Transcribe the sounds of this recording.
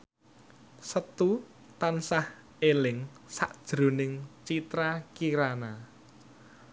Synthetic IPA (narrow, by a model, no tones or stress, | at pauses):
sət̪u | t̪ansah | elɪŋsa̰ʔd̥ʒ̥ɾo̤nɪŋt͡ʃit̪ɾakiɾana